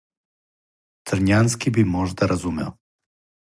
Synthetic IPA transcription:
t̪ɾɲanskibimoʒd̪aɾazumɛ̰o

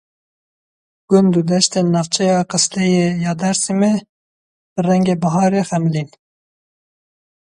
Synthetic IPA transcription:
ɡ̥ʊnd̪ud̪ɛʃt̪enɑːvt͡ʃʰɛjɑːqɨslɛjeːjɑːd̪ɛɾsime | b̥ɨrɛŋɡeːbɑɦɑːɾeːxɛmlin

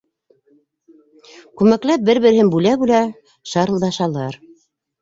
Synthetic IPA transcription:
kʉmæklæp̚bɘɾβɘ̆ɾhɘnbʉlæbulæ | ʃɑɾɤ̆lˠd̪ɑʃɑlˠɑɾ

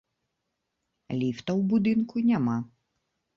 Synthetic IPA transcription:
lʲift̪ɐwbud̪ɪnkʊnʲama

